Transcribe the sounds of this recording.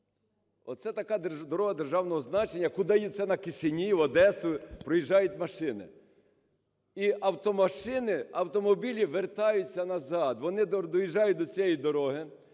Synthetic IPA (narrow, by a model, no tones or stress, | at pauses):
ɔ̰t̪sɛt̪ɐkɑd̪d̪ɔɾɔɦɐd̪erʒɑwnɔɦɔznɑt͡ʃenʲːɐkʊd̪ɐjit̪sɛnɐkɪsʲɪnʲiʋɐd̪ɛsʊpɾɔjiʒːɑjʊtʲmɐʃɪnɪ̰ | iʔɐwt̪ɔmɐʃɪnɪɐwt̪ɔmɔbʲilʲiʋert̪ɑjʊt͡sʲːɐnɐzɑd̪ʋɔnɪd̪d̪ɔjiʒɑjʊt̚ʲd̪ɔt͡sʲijɛjid̪ɔɾɔɦɪ